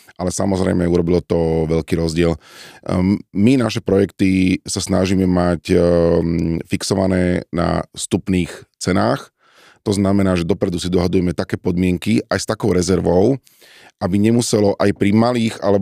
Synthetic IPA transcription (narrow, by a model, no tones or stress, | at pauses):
ʔalɛsa̰mɔzɾɛ̰ɪmɛuɾɔbilɔt̪ɔʋɛʎkiːɾɔzɟɪɛl | minaʃɛpɾɔjɛkt̪isasnaʒimɛmac | fiksɔʋanɛːna̰st̪upniːxt͡sɛnaːx | t̪ɔznamɛnaːʒɛd̪ɔpɾɛd̪usid̪ɔɦad̪ujɛmɛt̪akɛːpɔd̪mɪɛŋkiajst̪akɔʊɾɛzɛɾʋɔʊ | ʔabiɲɛmusɛlɔʔajpɾimaliːxa̰lɛ